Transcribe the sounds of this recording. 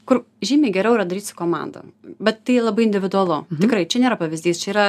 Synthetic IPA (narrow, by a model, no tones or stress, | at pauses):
kʊr | ʒʲiːmʲeːɡʲɛɾʲɛʊiɾɐd̪ɐɾʲiːt̪sʊ̥koːmɑ̰nd̪ɐ̰bʲɛt̪t̪ɐɪlˠɐbɐɪɪnʲd̪ʲɪʋʲɪd̪ʊɐlˠʊt̪ʲɪkɾɐɪt͡ʃʲɛnʲeːɾɐpɐʋʲɪzʲd̪ʲiːst͡ʃʲɛiːɾɐ